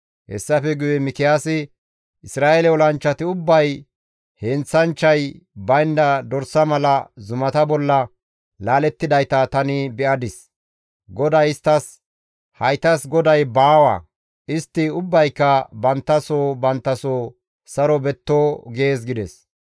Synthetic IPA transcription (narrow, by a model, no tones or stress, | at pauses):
hɛ̰sːɐfɛɡʊjɛmɪkɪjaːsɪ | ʔɪsɾaːʔelɛɔlɐnt͡ʃːɐt̪ɪʊbːɐj | hɛnt͡sːɐnt͡ʃːɐjbɐjnd̪ɐd̪ɔɾsɐmɐlɐzʊmɐt̪ɐbɔlːɐ | laːlɛt̪ːɪd̪ɐjt̪ɐt̪ɐnɪbɛʔɐd̪ɪs | ɡɔd̪ɐjɪst̪ːɐs | hɐjt̪ɐsɡɔd̪ɐjbaːwɐ̰ | ʔɪst̪ːɪʊbːɐjkːɐbɐnt̪ːɐsoːbɐnt̪ːɐsoː | sɐɾɔbɛt̪ːoːɡeːs̬ɡɪd̪ɛs